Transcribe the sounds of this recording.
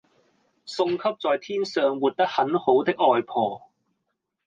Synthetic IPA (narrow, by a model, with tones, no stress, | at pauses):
sʊ˧ŋkʰɐ˥p̚t͡sɔː˨jt̪ʰiː˥nsœː˨ŋwuː˨t̚t̪ɐ˥k̚hɐ˨˥nho˨˥wt̪ɪ˥k̚ɔː˨˧jpʰɔː˨˧